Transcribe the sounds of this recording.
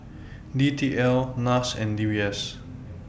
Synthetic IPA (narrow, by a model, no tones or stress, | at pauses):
ditʰiʔɛlnasɛ̃ndibiɛs